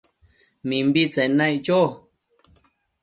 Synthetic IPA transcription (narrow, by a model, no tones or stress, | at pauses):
mĩmbit͡senãit͡ʃo